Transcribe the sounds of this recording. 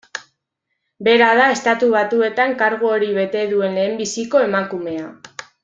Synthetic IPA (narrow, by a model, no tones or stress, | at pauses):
be̞ɾaðae̞st̪at̪uβ̞at̪ue̞t̪aŋkaɾɣuoɾiβ̞e̞t̪e̞ðue̞nle̞ːmbisiko̞e̞makume̞a